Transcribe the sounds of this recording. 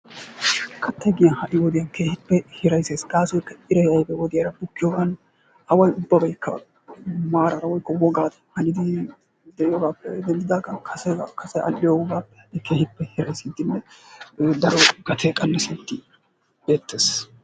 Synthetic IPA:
kʰɐt̪ːɐɡɪjɐnhɐʔɪwɔd̪ɪjɐnkʰeːhɪpːɛhɪɾɐjseːsɡaːsʊjkːɐɪɾɐjɐjbɛwɔd̪ɪjɐɾɐbʊkːɪjoːɡɐn | hɐwɐjʊbːɐbɐjkːɐ | maːɾɐɾɐwɔjkːɔwɔɡaːt̪ɐ̥hɐnɪd̪ɪ | d̪ɛʔɪjoːɡaːpːɛd̪ɛnd̪ɪd̪aːɡɐnkʰɐsɛkɐsɛʔɐ̰lːɪjoːɡaːpːɛ̥ɪkʰeːhɪpːɛhɪɾɐjsɪt̪ːɪnːɛ | d̪ɐɾɔɡ̥ɐt̪ʰeːkʼɐnːɐsɪnt̪ːɪ | be̞ːt̪ːeːs

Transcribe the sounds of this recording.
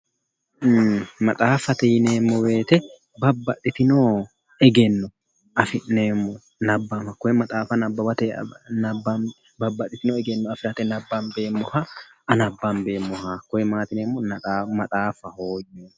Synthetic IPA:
mɐt̪ʼaːfɐt̪ɛjɪneːmːɔwe̞ːt̪ɛ | bɐbːɐt̪ʼːɪt̪ɪnoː | ɛɡɛnːɔ | ʔɐfɪʔneːmːɔ | nɐbːɐmɐkɔjɛmɐt̪ʼaːfɐnɐbːɐbɐt̪ɛnɐbːɐ | bɐbːɐt̪ʼːɪt̪ɪnɔɛɡɛnːɔɐfɪɾɐt̪ɛnɐbːɐmbe̞ːmːɔhɐʔɐnɐbːɐmbe̞ːmːɔhakːɔjɛmaːt̪ɪneːmːɔnɐt̪ʼːmɐt̪ʼaːfːɐhoːjo

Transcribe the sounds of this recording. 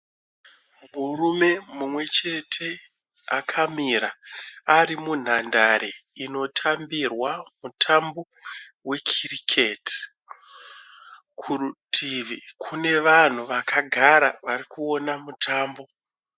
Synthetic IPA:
murume̞mumwe̞t͡ʃe̞tʰe̞ | akʰamiɾaː | ɾimun̤andaɾeino̞tʰambirwamutʰambo̞ | we̞kʰirikʰet | kʰurutʰivikʰune̞ʋan̤uʋakʰaɡʱaɾaʋaɾikuo̞namutʰaːmbo̞

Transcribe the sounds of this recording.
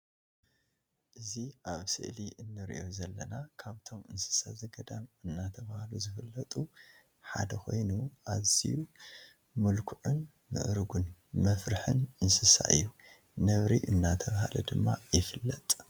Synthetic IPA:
ʔɨziaβsɨ̰ʔliʔɨnːɨɾḭʔozɐlːɐnakʰaβt̪ʰo̞mʔɨnsɨ̥sazɐɡɐd̪amɨnːat̪ʰɐβahaluzɨfɨlːɐt̪ʼu | ħa̰d̪ɐxʰo̞̰jnuʔaβz̥ḭju | mɨlkʰuʕɨn | mɨ̰ʔɾɨɡunmɐfɾɨħɨnʔɨnsɨsa̰ʔɨ̰jːu | nɐβɾiʔɨnːat̪ʰɐβahalɐ̰d̪ɨmːajɪfɨlːɐt̪ʼ

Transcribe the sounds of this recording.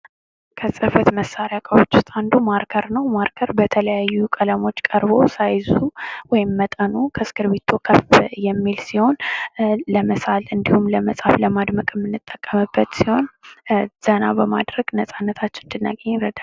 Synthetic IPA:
kʰəsʼɨfət̪məsːaɾjakʼəwot͡ʃːɪst̪ʼand̪umaɾkʰəɾnəwmaɾkʰəɾbət̪ʰələjajːukʼələmo̞t͡ʃːkʼəɾbo̞sajzuwɔjɪmːət̪ʼənukʰəsɨ̥kʰɨɾβit̪ʰːokʰəfjɛmːilsiho̞n | ləməsalɨnd̪ihumləməsʼhafləmad̪məkʼɨmːɨnːɨt̪ʼːəkʼːəmɨbːət̪siho̞n | z̥əna̰bəma̰d̪ɾəɡ̥nəsʼanːət̪ʰat͡ʃːɪnɨnd̪ɨnːaɡəɲːɾəd̪a

